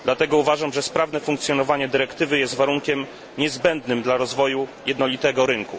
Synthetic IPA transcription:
d̪lat̪ɛɡɔuvaʐamʐɛspɾavnɛfuŋk̚t̪sʲjɔnɔvaɲɛd̪ɘɾɛkt̪ɘvɘjɛst̪vaɾuŋkʲɛm | ɲɛzbɛnd̪nɘmd̪laɾɔzvɔjujɛd̪nɔlʲit̪ɛɡɔɾɘŋku

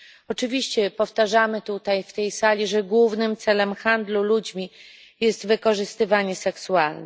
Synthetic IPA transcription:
ɔt͡ʂɘvʲiɕt͡ɕɛpɔft̪aʐamɘt̪ut̪ajft̪ɛjsalʲiʐɛɡwuvnɘmt̪sɛlɛmxand̪lulud͡ʑmʲi | jɛst̪vɘkɔʐɘst̪ɘvaɲɛsɛksualnɛ

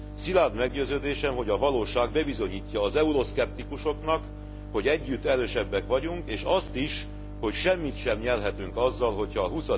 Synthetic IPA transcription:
silaːd̪mɛɡɟøːzøːd̪eːʃɛmɦo̞ɟɒvɒloːʃaːɡbɛbizo̞ɲiːcːɒːzɛuɾo̞skɛp̚t̪ikuʃo̞knɒk | ho̞ɟɛɟːyt̪ːɛɾøːʃɛbːɛkʋɒɟuŋkeːʃɒst̪iʃ | ho̞cʃɛmːit̪ʃɛmɲɛrɦɛt̪yŋkɒzːɒlɦo̞chɒːɦusɒ

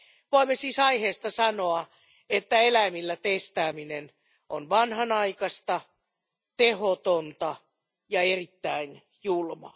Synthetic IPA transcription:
ʋoimːesiːsɑiheːst̪ɑsɑnoɑ | et̪ːæelæimilːæt̪est̪æːminen | ʔonʋɑnhɑnɑikɑst̪ɑ | t̪ehot̪ont̪ɑ | jɑerit̪ːæin | julmɑ̰

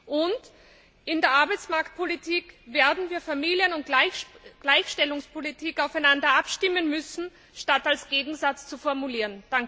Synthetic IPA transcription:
ʔʊnt | ɪndeːɐʔaɐbaɪt͡smaɐkt̚pʰolitʰiːkveːɐdn̩viːɐfamiːljənʊntɡ̥laɪçʃtɛlʊŋspʰolitʰiːkaʊfaɛɪnandɐʔapʃtɪmənmʏsn̩ | ʃtatalsɡ̥eːɡŋ̩zat͡st͡sufɔɐmuliːʁənd̥aŋk

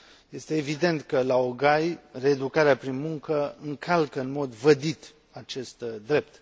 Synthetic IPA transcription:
je̞st̪e̞ːvid̪e̞nt̪kəlaoɡajre̞ːd̪ukaɾeapɾinmuŋkəɨŋkʰalkəɨnmo̞d̪vəd̪it̪ | at͡ʃe̞st̪d̪ɾe̞p̚t̪

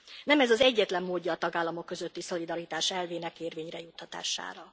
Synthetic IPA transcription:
nɛmɛzɒzɛɟːɛt̪lɛmːoːɟːɒːt̪ɒɡaːlːɒmo̞kːø̞zøt̪ːiso̞lid̪ɒɾit̪aːʃɛlveːnɛkeːrveːɲrɛjut̪ːɒt̪a̰ːʃa̰ːɾɒ

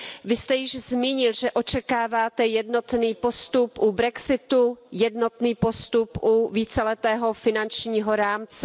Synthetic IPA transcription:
vɪst̪ɛjɪʒzmiːɲɪlʒɛʔo̞t͡ʃɛkaːvaːt̪ɛjɛdno̞t̪niːpo̞st̪upʔubɾɛksɪt̪ujɛdno̞t̪niːpo̞st̪upʔuviːt͡sɛlɛt̪ɛːɦo̞fɪnant͡ʃɲiːɦoɾaːmt͡sɛ

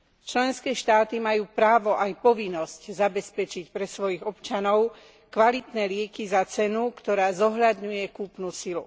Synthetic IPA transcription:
t͡ʃlɛnskɛːʃt̪aːt̪imajuːpɾaːʋɔʔajpɔʋinːɔsczabɛspɛt͡ʃicpɾɛsʋɔjiɣɔpt͡ʃanɔʊ | kʋalit̪nɛːlɪɛkizat͡sɛnukt̪ɔɾaːzɔɦʎad̪ɲujɛkuːpnusilṵ

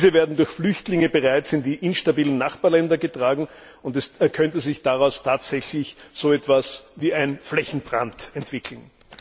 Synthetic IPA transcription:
zəveːɐdn̩dʊɐçflʏçtlɪŋəbəʁaɪt͡sɪndiːʔɪnʃtabiːlən̩ːaχpaɐlɛndɐɡətʁ̥aːɡŋ̩ | ʊntɛskʰœntəzɪçd̥aʁaʊstʰaːtz̥ɛçlɪçz̥oːɛtv̥asviːæɪnflɛçn̩bʁantɛntv̥ɪkʰl̩n̩

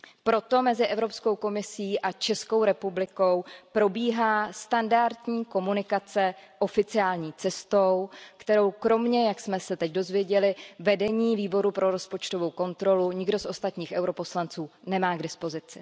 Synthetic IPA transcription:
pɾo̞t̪o̞mɛzɪʔɛvɾo̞psko̞wko̞mɪsiːʔat͡ʃɛsko̞wɾɛpublɪko̞wpɾo̞biːɦaːst̪andaɾt̪ɲiːko̞munɪkat͡sɛʔo̞fɪt͡sɪaːlɲiːt͡sɛst̪o̞wkt̪ɛɾo̞wkɾo̞mɲɛjaksmɛsɛt̪ɛcdo̞zvjɛɟɛlɪvɛdɛɲiːviːbo̞ɾupɾʔo̞ɾo̞spo̞t͡ʃt̪o̞vo̞wko̞nt̪ɾo̞luɲɪɡdo̞sʔo̞st̪at̪ɲiːxʔɛwɾo̞po̞slant͡suːnɛmaːɡdɪspo̞zɪt͡sɪ

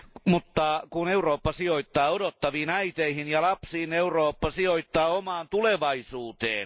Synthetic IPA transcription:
mut̪ːɑkuneuroːpːɑsioit̪ːɑːodot̪ːɑʋiːnæit̪eihinjɑlɑpsiːneuroːpːɑsioit̪ːɑːomɑːnt̪uleʋɑisuːt̪ḛːn

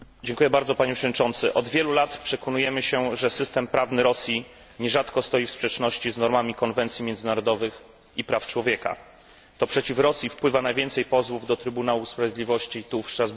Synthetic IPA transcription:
d͡ʑeŋkujɛbaɾd̪zɔpaɲɛpʂɛvɔd̪ɲʲit͡ʂɔnt̪sɘʔɔd̪vʲjɛlulat̪pʂɛkɔnujɛmɘɕɛʐɛsɘst̪ɛmpɾavnɘɾɔsʲji | ɲɛʐat̪kɔst̪ɔjifspʂɛt͡ʂnɔɕt͡ɕiznɔɾmamʲikɔnvɛnt̪sʲjimʲjɛnd̪zɘnaɾɔd̪ɔvɘx | ipɾaft͡ʂwɔvʲjɛka̰ | t̪ɔpʂɛt͡ɕifɾɔsʲjifpwɘvanavʲɛnt̪sɛjpɔzwuvd̪ɔt̪ɾɘbunawuspɾavʲjed̪lʲivɔɕt͡ɕit̪ufʂtɾazb

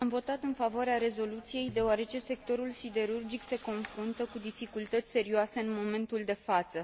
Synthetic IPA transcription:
amvo̞t̪at̪ɨnfavoaɾeaɾe̞zo̞lut̪sije̞jd̪e̞oaɾe̞t͡ʃe̞se̞k̚t̪o̞ɾulsid̪e̞ɾurd͡ʒikse̞ko̞nfɾunt̪əkud̪ifikult̪ət̪sʲse̞ɾioase̞ɨnmo̞me̞nt̪uld̪e̞fat̪sə

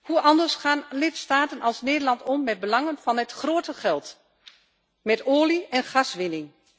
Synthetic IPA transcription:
huʔɑndəɹsχaːnlɪtstaːtənɑlˠsneːdəɹlɑntɔmːɛd̚bəlɑŋənfɑnɛtχroːtəχɛlˠt | mɛtoːliɛnχɑsʋɪnɪŋ

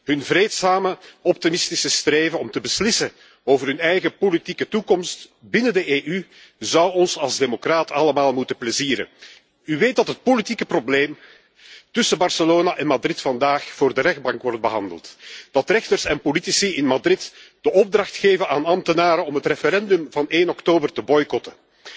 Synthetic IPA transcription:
ɦɵnvreːtsaːməɔp̚timɪstisəstreːvənɔmtəbəslɪsə | oːvərɦɵnɛjɣəpolitikətukɔmst | bɪnədəʔeːʔy | zʌwɔnsɑlˠzdemokraːtɑləmaːlˠmutəpləziːɾə̰n | yʋeːt̚dɑtɦət̚politikəprobleːm | tʏsəbɑrsəloːnaʔɛnmadrɪtfɑndaːxfʊːrdəɾɛxd̚bɑŋkʋɔrd̚bəɦɑndə̰lˠtd̥ɑtrɛxtərsɛnpolitisiɪnmadrɪtd̥əʔɔb̚drɑxtxeːvənaːnɑmtənaːɾəɔmɦətrefeɾɛndɵmvɑneːnɔktoːbərtəbɔjkɔtə

